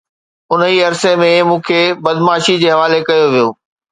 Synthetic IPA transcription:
ʊniːɐɾsemẽmũːkʰebɐd̪maːʃid͡ʑeːɦɐʋaːlekɐjoʋijoː

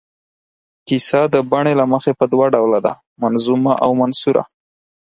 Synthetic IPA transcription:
kisad̪əbaɳ̃elaməxepəd̪waɖawlad̪a̰ | manzumaʔawmansuɾa̰

